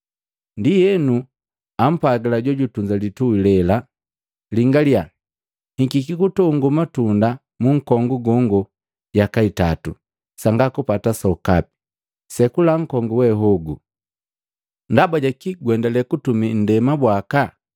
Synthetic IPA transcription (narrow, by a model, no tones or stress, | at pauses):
ndijɛnu | am̩paɡilaɟɔɟutuɲd͡ʒalituwilɛla | liŋɡalia | hiɡikikutɔŋɡumatunda | muŋ̩kɔŋɡuɡɔŋɡɔ | ɟakaitatu | saŋɡakupatasɔkapi̥ | sɛkulaŋ̩kɔŋɡuwɛɦɔɡu | ndabaɟakiɡwɛndalɛkutumin̩dɛmabwaka